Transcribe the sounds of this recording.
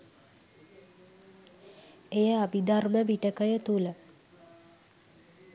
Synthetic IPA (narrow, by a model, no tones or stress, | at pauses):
ejəabid̪arməbiʈəkəjət̪ulə